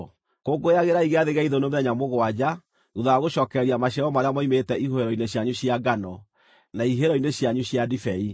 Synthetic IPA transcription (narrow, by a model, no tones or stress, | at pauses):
koɡoeaɣeɾaiɣeaðeɣaiðonomeɾɛɲamoɣwad͡ʑa | ɣuðaːɣoɕɔːkɛɾiamaɕaɔmaɾeamɔimetɛihoeɾɔineɕjaɲuɕjaɡanɔ | naiɦeɾɔineɕjaɲuɕjadifɛi